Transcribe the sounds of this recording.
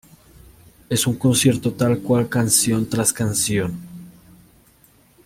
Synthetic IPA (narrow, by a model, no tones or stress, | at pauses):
e̞suŋkonsje̞ɾt̪o̞t̪alkwalkansjo̞nt̪ɾaskansjo̞n